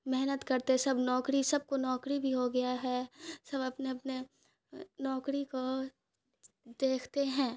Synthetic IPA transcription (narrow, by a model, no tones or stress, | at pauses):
mɛɦnət̪kɐɾt̪esɐbnɔːkɾisɐb̚konɔːkɾibʱiɦoɡɐjaɦɛsɐbɐpneɐpne | nɔːkɾiko | d̪eːkʰt̪eɦɛ̃ː